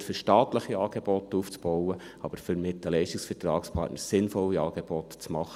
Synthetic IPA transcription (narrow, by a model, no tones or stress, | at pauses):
tfʏɾʃtɑːt̪ləχiɑːɡ̥eb̥ɔtuːft͡sb̥ɔwəɑb̥əɾfʏɾmɪt̪əlɛɪʃtiksfətɾɑ̰ːkspʰɑ̰ɾtnəɾsɪnfɔlːiɑːɡ̥eb̥ɔt̪t͡smɑχə